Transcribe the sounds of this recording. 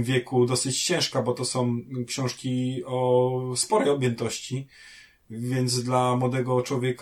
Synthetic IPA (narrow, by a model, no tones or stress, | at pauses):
mvʲjɛkud̪ɔsɘt͡ɕt͡ɕɛ̃w̃ʂkabɔt̪ɔsɔ̃w̃kɕɔ̃w̃ʂkʲiɔspɔɾɛjɔbʲjɛnt̪ɔɕt͡ɕi | vʲjɛnd̪zd̪lamwɔd̪ɛɡɔt͡ʂwɔvʲjɛk